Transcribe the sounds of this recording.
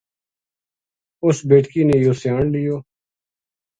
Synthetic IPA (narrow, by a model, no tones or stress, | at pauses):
ʊsbeːʈkiːneːjoːsjaːɳlɪjoː